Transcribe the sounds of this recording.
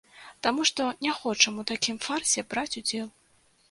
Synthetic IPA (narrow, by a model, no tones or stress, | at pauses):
t̪amuʂt̪ɔnʲaxɔt͡ʂɐmut̪akʲimfarsʲɛbɾat͡sʲud͡zʲɛlˠ